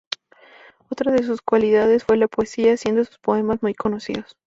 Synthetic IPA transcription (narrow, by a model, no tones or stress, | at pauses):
ot̪ɾaðe̞s̬uskwaliðaðe̞sfwe̞lapoesiasje̞nd̪osu̥spo̞e̞mazmujko̞no̞sḭðo̞s